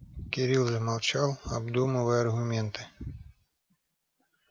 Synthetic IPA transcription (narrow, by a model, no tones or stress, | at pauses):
kʲiɾʲilˠzmalˠt͡ʃawˠabd̪umɐvɨjɐrɣʊmʲɛnt̪ɨ̥